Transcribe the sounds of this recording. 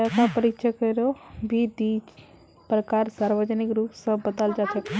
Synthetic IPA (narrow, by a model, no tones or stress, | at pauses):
akãpəɾɪkʃʰəkəɾobʱid̪iːd͡ʒ | pɾəkaːɾsaːɾʋəd͡ʒənɪkɾuːpsə̃bət̪ald͡ʒat͡ʃʰək